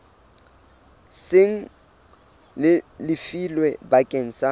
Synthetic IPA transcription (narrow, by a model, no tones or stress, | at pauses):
sɪŋ̩ | lɪlɪfilwɛbakʼeŋ̩sa